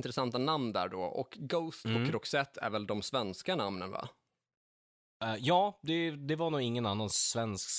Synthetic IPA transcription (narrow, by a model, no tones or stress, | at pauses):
nt̪ɾɛsant̪anamnd̪æ̰ːɖɔ̰ʔɔ̰kɡoʊst̪pʰɔkʰɾɔksɛt̪ʰːæ̰ɾvɛld̪ɔmsvɛnskanamnənva̰ | jɑːd̪ɛd̪ɛvaɾnuːɡɪŋːənanːansvɛnsk